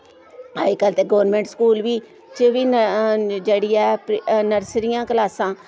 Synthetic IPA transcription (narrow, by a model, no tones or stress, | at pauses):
aːikəlt̪eːɡoʋɾnmẽːɳʈskuːlʋiː | t͡ʃeʋiːnd͡ʒeːɽiːɛːpnəɾsɾɪjãːkəlaːsãː